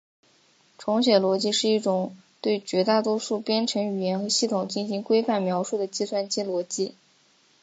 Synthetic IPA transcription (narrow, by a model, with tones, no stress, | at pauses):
ʈ͡ʂʰʊ˧˥ŋɕ̬ɥɛ˨˩lwɔ˧˥t͡ɕi˥ʂɻ̩˥˧i˥˩ʈ͡ʂʊ˨˩ŋ | t̪we˥˩ɪt͡ɕɥɛ˧˥t̪a˥˩t̪wɔ˥ʂu˥˩pjɛ˥nʈ͡ʂʰɤ˧˥ŋy˨˩jɛ˧˥nxɤ˧˥ɕi˥˩t̪ʰʊ˨˩ŋt͡ɕi˥˩nɕi˧˥ŋkwe˥ɪfa˥˩nmjɑ˧˥ʊʂu˥˩d̪ə˩t͡ɕi˥˧swa˥˧nt͡ɕi˥lwɔ˧˥t͡ɕi˥